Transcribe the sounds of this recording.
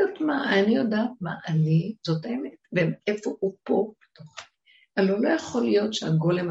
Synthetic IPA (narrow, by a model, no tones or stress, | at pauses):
otmaanijo̞daːt̚ma̰ʔalizo̞taemetveefoupo̞bet̪oχi | alolo̞jaχo̞lijo̞tʃeaɡo̞lem